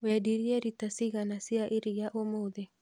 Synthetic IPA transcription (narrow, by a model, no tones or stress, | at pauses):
wɛdiɾiɛɾitasiɣanasiaʔɪɾijaʔomoðe